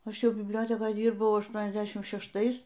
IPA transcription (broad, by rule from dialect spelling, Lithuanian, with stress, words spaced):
ˈɐʃ ˈjɛʊ bʲɪbʲˈlʲoːtʲɛkoːj ˈdʲiːrbɐʊ ɐʃˈtuɔnʲɛzʲˌdʲæːʃʲɪm ʃʲɛʃˈtɐɪs